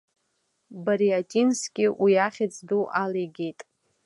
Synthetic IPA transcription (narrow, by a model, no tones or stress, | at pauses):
baɾijatʼinskʲʼɪwiaχʲɪt͡sʰʼduʔalejɡʲejtʼ